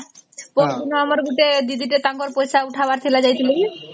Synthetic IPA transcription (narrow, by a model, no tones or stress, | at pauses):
pod̪inoamaɾɡuʈed̪id̪iʈ̬et̪aŋkoɾpojsauʈʰabaɾt̪ʰilad͡ʑajt̪ʰileki